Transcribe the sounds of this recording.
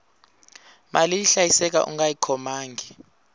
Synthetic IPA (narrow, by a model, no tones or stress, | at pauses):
mʔaliiɬajisɛk̬a̰ʔṵŋɡajikʰɔmaːŋɡʱi